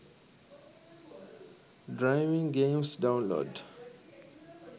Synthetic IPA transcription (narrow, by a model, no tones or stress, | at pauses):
dɹaɪʋĩŋɡẽmsdãʊ̃nlo̰ːd